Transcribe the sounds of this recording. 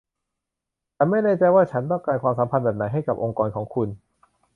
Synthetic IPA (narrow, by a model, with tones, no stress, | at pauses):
t̪ɛː˨˩ma˥˩jnɛː˥˩t͡ɕa˧jwaː˥˩t͡ɕʰa˦˥nt̪ɔ˥˩ŋklaː˧nkʰwaː˧msa˩˦pʰa˧nbɛː˨˩p̚na˩˦jɦa˥˩jka˨˩p̚ʔo˧ŋkɔː˧nkʰɔː˩˦ŋkʰu˧n